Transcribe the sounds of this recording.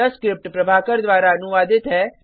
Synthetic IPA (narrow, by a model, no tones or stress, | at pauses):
əskɾɪp̚ʈpɾɐbʱaːkəɾd̪ʋaːɾaɐnʊʋaːd̪ɪt̪ɦɛː